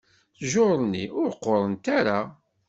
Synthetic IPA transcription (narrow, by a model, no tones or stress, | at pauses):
θʒoɾˤənːḭʊɾqːoɾˤənt̪aɾa